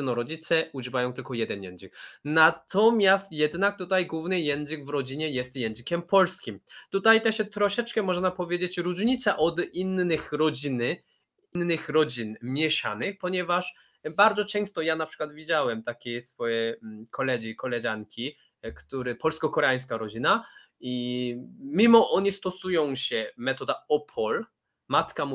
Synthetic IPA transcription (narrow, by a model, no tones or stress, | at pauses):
nɔɾɔd͡ʑit̪sɛuʐɘvajɔ̃w̃t̪ɘlkɔjɛd̪ɛnjɛ̰nzɘknat̪ʰɔmʲjast̪jɛd̪nak̚t̪ut̪ajɡwuvnɘjɛnzɘɡvɾɔd͡ʑiɲɛjɛst̪jɛnzɘkʲɛmpɔlskʲimt̪ut̪ajt̪ɛɕɛt̪ɾɔʂɛt͡ʂkɛmɔʐɛnapɔvʲjed͡ʑet͡ɕɾuʐɲit̪saʔɔd̪inːɘxɾɔd͡ʑinɘ | inːɘxɾɔd͡ʑinmʲjɛʂa̰nɪxpɔɲɛvaʂ | baɾd̪zɔt͡ʂɛ̃w̃st̪ɔjanapʂɘ̥kwad̪vʲid͡ʑawɛmt̪akʲejsfɔjɛkʰɔlɛd͡ʑikɔlɛʑaŋkʲi | kt̪uɾɛpɔlskɔkɔɾɛaj̃skaɾɔd͡ʑina | i | mʲimɔʔɔɲist̪ɔsujɔ̃w̃ɕɛmɛt̪ɔd̪aɔpʰɔl | mat̪kamu